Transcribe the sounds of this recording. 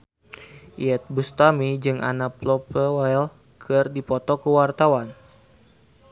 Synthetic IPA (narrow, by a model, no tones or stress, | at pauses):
ḭjɛt̪̚bust̪amid͡ʒɨŋʔa̰naplɔpəwal | kʰɨrdipɔt̪ɔkəwart̪awan